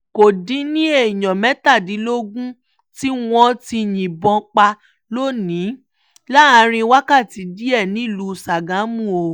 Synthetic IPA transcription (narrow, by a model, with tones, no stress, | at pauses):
ko˨dĩ˨˦nĩ˦e˦˨jɔ̃˨mɛ˨˦ta˦˨di˨˦lo˦ɡũ˦ | ti˦w̃ɔ̃˧ti˧jĩ˨bɔ̃˧k͡pa˧ | lo˦˨nĩ˨˦ | la˦a˧˦ɾ̃ĩ˧wa˦ka˦˨ti˨˦di˦ɛ˦˨nĩ˦i˦˨lu˨˦˨sa˨ɡã˨˦mũ˦˨o˧